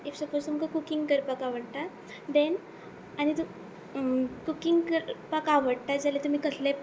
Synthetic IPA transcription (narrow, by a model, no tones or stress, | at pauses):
efsəpost̪umkakukiŋɡkəɾpakaʋəɽʈ̪a | d̪ɛn | añit̪u | kukiŋɡkəɾpakaʋəɽʈ̪ad͡zalet̪um̤iːkəsle